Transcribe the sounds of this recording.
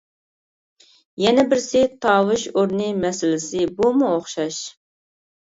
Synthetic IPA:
jɛnɛbɪɾsɪt̪ʰɑːwɨʃoɾnɨmɛsɪlɪsɪbumuoχʃɑʃ

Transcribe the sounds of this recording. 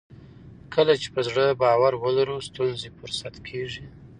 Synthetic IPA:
kʰəlat͡ʃe̥pəzɽəbɑwaɾwəlaɾust̪unzefʊɾsat̪kʰeʐi

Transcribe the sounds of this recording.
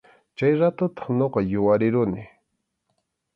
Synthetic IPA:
t͡ʃajɾat̪ʊt̪ɑ̥χɲoqɑjʊwaɾɪɾʊnɪ

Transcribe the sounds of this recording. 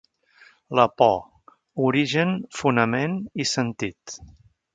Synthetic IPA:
ləpɔ | uɾiʒənfunəmenisənt̪it̪

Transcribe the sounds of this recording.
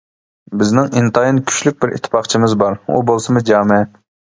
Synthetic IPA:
bɪznɪŋint̪ʰɑjinkʲʰy̥ʃlyk̚ʲbɪɾʔḭt̪ʰːɪ̥pɑχt͡ʃʰimɪzbɑɾṵbolˠsɨmɨd͡ʒɑːmɪɛ

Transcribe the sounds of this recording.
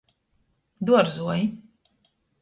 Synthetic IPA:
d̪uɔɾzuɔji

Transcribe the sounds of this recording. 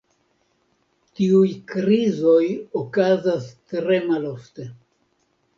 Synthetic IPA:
tiujkɾizo̞jokazastɾe̞malo̞fte̞

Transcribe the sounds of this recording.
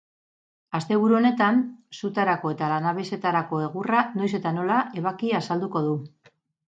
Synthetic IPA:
ast̪e̞β̞uɾuo̞ne̞t̪ansut̪aɾako̞e̞t̪alanaβese̞t̪aɾako̞e̞ɣ̞urano̞js̬e̞t̪ano̞laʔe̞βakiasald̪uko̞ð̞u

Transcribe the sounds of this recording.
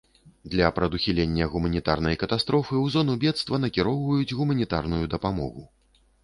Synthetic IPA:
d̪lʲɐpɾɐd̪uxʲilʲenʲːɐɣumɐnʲit̪arnɐjkɐt̪ast̪ɾɔfɨwzɔnubʲɛt̪st̪vɐnɐkʲiɾɔwvɐjud͡zʲɣumɐnʲit̪arnujud̪ɐpamɔ̰ɣu

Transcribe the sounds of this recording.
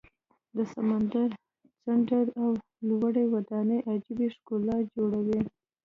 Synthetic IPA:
d̪əsamand̪aɾ | saɳʈaɾaw | lwaɽewad̪ɑnəʔad͡ʒibiʃkolɑd͡ʒoɽawi

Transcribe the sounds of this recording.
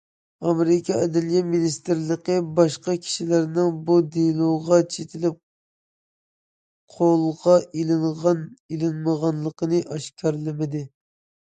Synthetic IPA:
ɑmɾɪkʲʰɑɛd̪ɪlijɛminist̪ɪɾlˠəqəbɑʃqɑkʲʰi̥ʃilɪɾnɪŋbud̪ilˠoʁɑt͡ʃʰet̪ʰɪlɪp̚ | qʰolˠʁɑʔilɪŋʁɑnilɪnməʁɑnlˠːəqʰənɨʔɑʃkʲʰɑɾlˠɪmɪd̪ɪ

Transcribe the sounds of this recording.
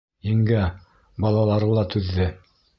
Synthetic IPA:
jɘ̆ŋɡæ | bɑlˠɑlˠɑɾɤlˠɑt̪ʉðːɘ

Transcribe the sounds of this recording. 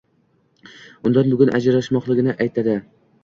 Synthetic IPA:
ʊnd̪anbʊɡʊnʔa̰d͡ʒɾaʃmɒqlˠɪɡʲɪnɪʔajt̪ʰad̪ɪ

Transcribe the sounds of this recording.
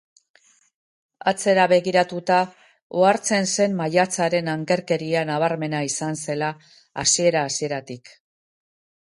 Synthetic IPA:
at͡se̞ɾaβe̞ɣiɾat̪ut̪a | oaɾt͡se̞nse̞mːaʎat͡saɾe̞naŋke̞ɾke̞ɾianaβ̞aɾme̞naisanse̞laː | sie̞ɾaːsie̞ɾat̪ik

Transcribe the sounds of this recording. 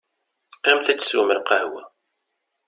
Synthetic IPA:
æmθæt͡sːə̥sṵməlqəhwæ

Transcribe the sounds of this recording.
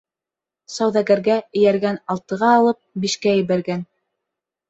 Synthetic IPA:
sɑwðæɡæɾɡæɘ̆jæɾɡænɑlˠt̪ɤ̆ʁɑːlˠɤp̚biʃkæjɘ̆βæɾɡæn

